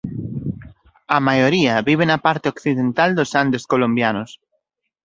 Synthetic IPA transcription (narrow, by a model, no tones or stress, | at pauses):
ɐmajoɾiɐβiβ̞enɐpaɾt̪eokθiðent̪ald̪osand̪eskolombjanos